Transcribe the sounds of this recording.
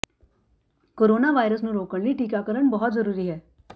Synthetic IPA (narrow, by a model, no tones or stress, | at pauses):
koːɾoːnaʋaːjɾəs̬nũɾoːkəɽ̃liʈiːkakəɾəɽ̃bɐɦʊt̪zɐɾuːɾiɦɛː